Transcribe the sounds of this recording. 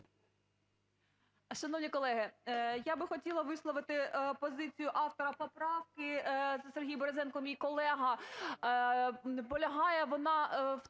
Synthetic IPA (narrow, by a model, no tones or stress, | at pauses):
ʃɐnɔwnʲikɔlˠɛɦɪjabɪxɔtʲilˠɐʋɪslˠɔʋɪt̪ɪpɔzɪt͡sʲijʊʔɑwt̪ɔɾɐpɔpɾɑwkɪzserɦʲijbɔɾezɛnkɔmʲijkɔlˠɛɦɐ | pɔlʲɐɦɑjɛʋɔnɑw